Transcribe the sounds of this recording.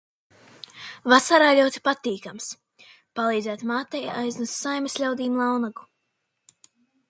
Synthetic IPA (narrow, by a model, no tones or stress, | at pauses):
vasaɾaːlʲuɔt̪ʲi̥pat̪iːkams | palˠiːd̪zæːt̪maːt̪ɛjajznusːajmeslʲawd̪iːmlˠawnaɡu